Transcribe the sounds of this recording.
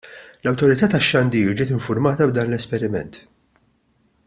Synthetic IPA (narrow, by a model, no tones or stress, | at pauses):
lɐwt̪ɔɾɪt̪ɐːt̪ɐʃːɐnd̪iːɾd͡ʒɪːt̪ɪɱfʊɾmɐːt̪ɐbd̪ɐːnlɛspɛɾɪmɛ̰nt̪